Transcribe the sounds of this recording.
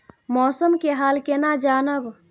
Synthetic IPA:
mɔsəmkeɦalkenad͡ʒanəb

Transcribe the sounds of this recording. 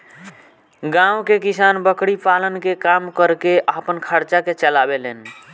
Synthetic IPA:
ɡãũwkekisanbəkɽipalənkekamkəɾkeʔapənkʰəɾt͡ʃaket͡ʃəlabelen

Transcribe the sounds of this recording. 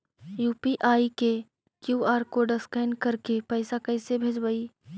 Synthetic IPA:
juːpiʔaːike | kjuːaːɾkoɖɐskaːnkɐɾkepɛːsakɛɪsebʱeːd͡ʒbəiː

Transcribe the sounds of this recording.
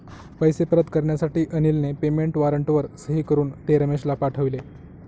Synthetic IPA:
pəjsepəɾəd̪kəɾɳjasaʈiːʔənilnepemeɳʈʋaɾəɳʈʋəɾsəɦiːkəɾuːnt̪eɾəmeɕlapaʈʰəʋle

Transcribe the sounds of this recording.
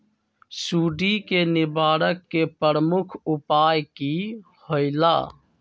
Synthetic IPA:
suːɖikenɪbaːɾəkːepɾəɾəmukʰupaːjki | hoɪla̰

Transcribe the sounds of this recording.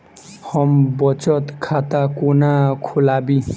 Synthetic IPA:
hʌmbʌt͡sʌt̪kʰat̪akonakʰolabi

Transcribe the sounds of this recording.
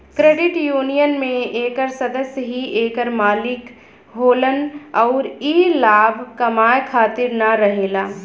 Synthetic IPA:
kɾeːɖɪʈjuːnijənmẽeːkəɾsɐd̪əsjɦieːkəɾmaːlɪk | ɦoːlənɔːɾiːlaːbʱkɐmaːjkʰaːt̪ɪɾnaɾɐɦeːlaː

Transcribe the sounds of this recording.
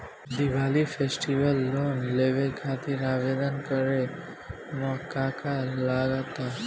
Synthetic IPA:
d̪iʋalifʰesʈiʋəlːonleʋekʰat̪iɾaʋed̪ənkəɾe | mɔkakalaɡat̪a

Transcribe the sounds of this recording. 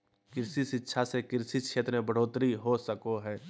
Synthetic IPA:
kɪɾsisɪtːʃʰasekɪɾsit̪ʃʰeːt̪ɾmẽbəɽ̤oːt̪ɾiɦosəkoɦɛː

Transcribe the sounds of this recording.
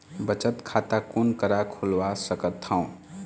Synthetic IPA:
bət͡ʃət̪kʰat̪akunkəɾakʰulwasəkət̪ʰːãw̃

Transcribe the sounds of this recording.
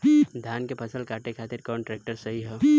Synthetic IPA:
d̪ʱaːnkepʰɐsəlkaːʈekʰaːt̪ɪɾkɔːɳʈɾeːk̚ʈəɾsɐɦiɦɛ

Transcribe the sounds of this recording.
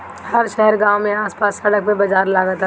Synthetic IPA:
həɾʃɛɦəɾɡãːwmẽaːspaːsːəɽək̚pebɐd͡ʒaːɾlaːɡət̪

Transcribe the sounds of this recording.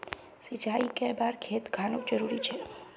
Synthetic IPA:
sid͡ʒaikebaɾkʰet̪ɡʱanod͡ʒəɾuɾit͡ʃʰe

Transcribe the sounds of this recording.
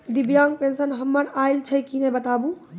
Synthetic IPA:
d̪ibjaŋ̚pensənɦəmːəɾaɪlt͡ʃʰəkinɛbət̪abũ

